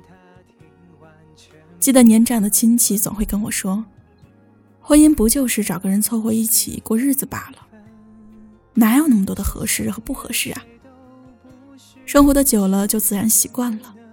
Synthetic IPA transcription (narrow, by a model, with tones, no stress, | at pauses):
t͡ɕi˥˩d̪ə˩njɛ˧˥nʈ͡ʂa˨˩ŋd̪ə˦t͡ɕʰi˥nt͡ɕʰi˥˩t͡sʊ˨˩ŋxwe˥˩ɪkə˥nwɔ˨˩ʂwɔ˥ | xwə˥ni˥˧ŋpu˧˥t͡ɕjo˥˧ʊʂɻ̩˥˩ʈ͡ʂɑ˨˩ʊɡə˦ɻə˧˥nt͡sʰwɔ˥˧xwɔ˥˧i˥˩t͡ɕʰḭ˨˩kwɔ˥˧ɻ̩˥˩d͡zɹ̩˩pa̰˨˩lə˦ | na˧˥jo˨˩na˥˩mə˩t̪wɔ˥d̪ə˧xɤ̰˧˥ʂɻ̩˥˩xɤ˧˥pu˥˩xɤ̰˧˥ʂɻ̩˥˩a̰˩ | ʂɤ˥ŋxwɔ˧˥d̪ə˧t͡ɕjo˨˩ʊlə˦t͡ɕjo˥˧ʊt͡sɹ̩˥˩ɻa˧˥nɕi˧˥kwa˥˩nlə˩